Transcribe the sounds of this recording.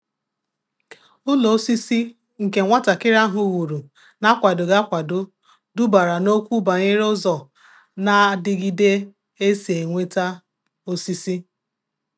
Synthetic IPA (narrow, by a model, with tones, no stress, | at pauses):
ʊ˦lo˨o˦si˦si˦ | ŋ̩˨ke˨ŋʷa˦ta˨kɪ˦ɾa˦ɦʊ˨wu˨ɾu˨ | na˦kʷa˨dʊ˨ɡa˦kʷa˨do˦ | dʊ˦ba˨ɾa˨no˦kʷu˦ba˨ɲɪ˦ɾʊ˦zɔ˨ | na˨˦dɪ˦ɡi˦de˦ | e˦se˨ŋʷe˦ta˦ | o˦si˦si˦